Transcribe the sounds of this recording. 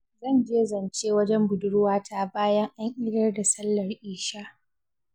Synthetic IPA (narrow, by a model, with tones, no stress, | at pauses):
zɐ˦˨nd͡ʒeː˦zɐ˨nt͡ʃeː˦wɐ˦d͡ʒɛ˦mbʊ˨dʊ˦ɽwaː˦tʰa˦˨baː˦jɐ˦ŋʔa˦ŋʔɪ˦dɐ˦rda˨sɐ˦lːɐ˨rʔiː˦ʃaː˦